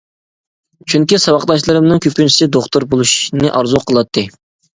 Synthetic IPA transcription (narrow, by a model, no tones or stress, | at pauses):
t͡ʃʰyŋkʲisɑwɑqlˠɑʃ̬lˠɨɾɨmnɨŋkʲʰøpynt͡ʃʰi̥sɪd̪oχt̪oɾbolˠuʃnɨʔɑɾzuqʰəlˠɑt̪ʰːɨ